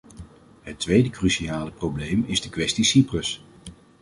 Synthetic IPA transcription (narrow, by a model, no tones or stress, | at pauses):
ɦətʋejdəkrysiaːləprowblejmɪzdəkʋɛstisiprəs